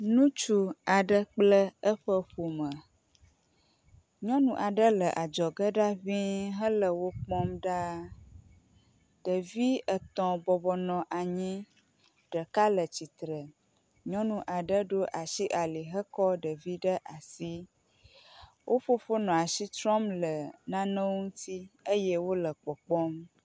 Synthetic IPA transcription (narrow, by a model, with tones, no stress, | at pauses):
nũ˦t͡ʃu˦a˨ɖə˦k͡plə˦ə˦ɸə˦ɸo˨mə˨ | ɲɔ̃˦nũ˨ʔa˨ɖə˦lə˨ʔa˨d͡ʒɔ˨ɡə˦ɖa˦vĩ˦ɦə˦lə˨wo˦k͡pɔ̃˦mɖa˦ | ɖ̥ə˨vi˦ə˨t̪ɔ̃˨bɔ˨bɔ˨nɔ̃˨ʔa˨ɲĩ˦ | ɖə˨ka˦lə˨t͡ɕi˨t̪ɾə˨ | ɲɔ̃˦nũ˨ʔa˨ɖə˦ɖo˦ʔa˨ʃi˦ʔa˨li˨ɦə˦kɔ˦ɖə˨vi˦ɖə˦ʔa˨si˦ | wʔo˦ɸo˦fo˦nɔ̃˨a˨ʃi˦t̪ɾɔ̃˦mlə˨nã˦nə̃˦ŋũ˦t̪i˦ə˦jɛ˦wo˦lə˨k͡pɔ˨k͡pɔ˦m